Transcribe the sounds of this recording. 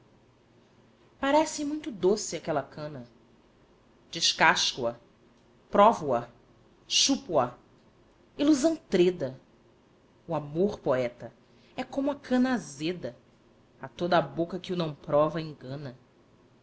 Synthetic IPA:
paɾɛsimũj̃t̪ʊd̪osɪakɛlɐkɐ̃nɐ | d͡ʒɪʃkaʃkuɐ | pɾɔvuɐ | ʃupuɐ | iluzɐ̃w̃t̪ɾed̪ɐ | uamoɾpoɛt̪ɐ | ɛkõmʊɐkʰɐ̃nɐazed̪ɐ | at̪od̪ɐːbokɐkɪunɐ̃w̃pɾɔvɐẽŋɡɐ̃nɐ

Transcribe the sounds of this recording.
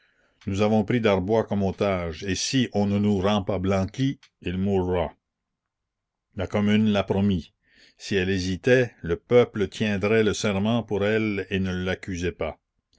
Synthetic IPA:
nuzavɔ̃pɾid̪aʁbwakɔmot̪aːʒesiʔɔ̃nənuʁɑ̃pablɑ̃kʲi | ilmurːa | lakɔmynlapɾɔmi | siɛlezit̪ɛləpœplət̪ʰjɛ̃d̪ʁɛləsɛʁmɑ̃puʁɛlenəlakyzɛpa

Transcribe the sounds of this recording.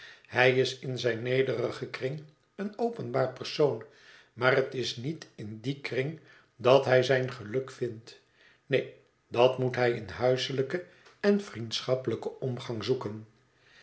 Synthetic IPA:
hɛjɪsɪnzɛjnːejdərəχəkrɪŋ | ənowpənbaːɹpərsown | maːrətɪsnitɪndikrɪŋ | dɑtɦɛjzɛjnχəlɵkfɪnt | ne | dɑtmutɦɛjɪnɦœɥsələkə | ɛnfrintsχɑpələkəɔmχɑŋzukən

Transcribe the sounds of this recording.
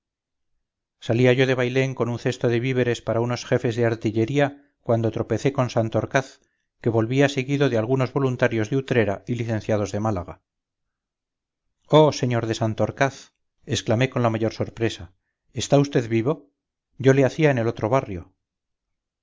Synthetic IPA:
saliaʝo̞ðe̞βajle̞ŋko̞nunθe̞st̪oðeβiβ̞e̞ɾe̞spaɾauno̞sxe̞fe̞zðeaɾt̪iʎe̞ɾia | kwand̪o̞t̪ɾo̞pe̞θe̞ko̞nsant̪o̞ɾkaθ | ke̞βo̞lβiaseɣiðo̞ðealɣuno̞zβo̞lunt̪aɾjo̞zðeut̪ɾe̞ɾailiθe̞nθjaðo̞zðe̞malaɣa | o̞se̞ɲo̞ɾðe̞sant̪oɾkaθ | esklame̞ko̞nlamaʝo̞ɾso̞ɾpɾe̞sa | est̪aust̪e̞ðβiβo̞ | ɟ͡ʝo̞le̞aθiaene̞lo̞t̪ɾo̞β̞arjo̞

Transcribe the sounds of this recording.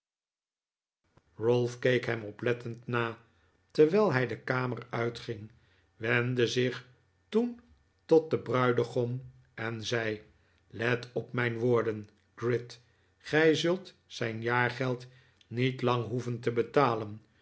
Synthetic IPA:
rolˠfkejkɦɛmɔplɛtəntnaː | təɹʋɛlˠɦɛjdəkaːmərœɥtχɪŋ | ʋɛndəzɪχ | tun | tɔt̚dəbrœɥdəχɔm | ɛnzɛj | lɛtɔpmɛjnʋoːɹdən | ɡ̥rɪt | χɛjzɵlˠt | sɛjnjaːɹχɛlˠt | nitlɑŋɦuvəntəbətaːlən

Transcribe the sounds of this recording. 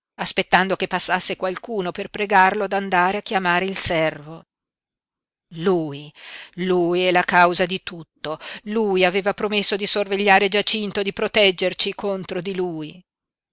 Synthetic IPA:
aspet̪ːand̪okepːasːasːekwalkuːnoperpɾeɡarlod̪and̪aːɾeakːjamaːɾeilsɛrvo | luːjluːjɛlakawzad̪it̪ut̪ːolujaveːvapɾomesːod̪isorveʎːaːɾed͡ʒat͡ʃint̪od̪ipɾot̪ɛd͡ʒːert͡ʃikʰont̪ɾod̪iluːi

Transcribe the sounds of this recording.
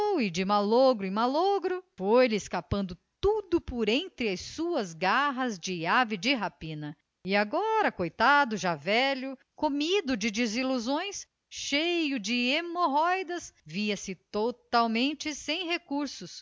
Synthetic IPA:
wɪd͡ʒɪmaloɡɾʊĩmaloɡɾʊfojlɪeskapɐ̃nd̪ʊt̪ud̪ʊpoɾẽnt̪ɾɪɐjssuɐzɡaɦɐzd͡ʒɪavɪd͡ʒɪɦapĩnɐ | ɪaɡɔɾɐkojt̪ad̪ʊʒavɛlʊ | komid̪ʊd͡ʒɪd͡ʒɪziluzõj̃s | ʃejʊd͡ʒɪemoɦɔjd̪ɐsviɐsɪt̪ot̪awmẽnt͡ʃɪsẽj̃ɦekuɾsʊs

